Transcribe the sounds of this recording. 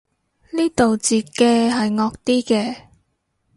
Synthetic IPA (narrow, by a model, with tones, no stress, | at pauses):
niː˥t̪o˨wt͡siː˨˩kɛː˧ɦɐ˨jŋɔː˧k̚t̪iː˥kɛː˧